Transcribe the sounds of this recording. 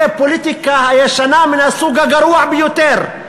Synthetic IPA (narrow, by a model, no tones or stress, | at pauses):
epːʊlit̪ɪkahajaʃanaːmɪnasuːɡaɡɑɾuːaʕbɪjut̪eːɾ